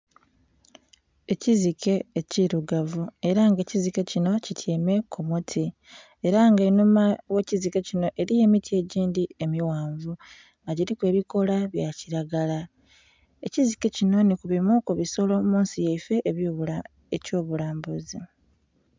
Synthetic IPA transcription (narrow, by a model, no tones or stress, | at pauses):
e̞cizikʰe̞ːciɾuɡavue̞ɾaŋɡecizike̞cino̞citʰjeːme̞kʰumutʰi | e̞ɾaŋɡenumawe̞ːcizike̞cino̞ʔe̞ɾije̞mitie̞ɟiːndie̞miwaːɱvu | ŋɡaɟiɾikwe̞ːβiko̞laβjaciɾaɡala | e̞cizike̞cino̞nikuβimwokuβiso̞lo̞muːnsijeife̞ʔːβj | eco̞ːβulaːmbuzi